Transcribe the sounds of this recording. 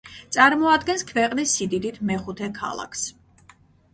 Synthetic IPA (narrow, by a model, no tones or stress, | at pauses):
t̪sʼaɾmɔad̪ɡɛnskʰvɛqʼnisːid̪id̪it̪ʰmɛχut̪ʰɛkʰa̰lˠa̰kʰs